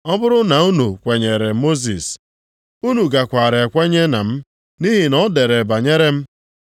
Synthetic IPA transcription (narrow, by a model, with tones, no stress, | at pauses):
ɔ˦bʊ˦ɾʊ˦na˨u˦nu˨kʷe˨ɲe˨ɾe˨mo˦z̬ḭ˨s | u˦nu˨ɡa˨kʷa˨ɾe˨e˨kʷe˦ɲe˦na˨m̩˦ | ni˦ɦi˨nɔ˦de˨ɾe˨ba˨ɲe˦ɾe˦m̩˦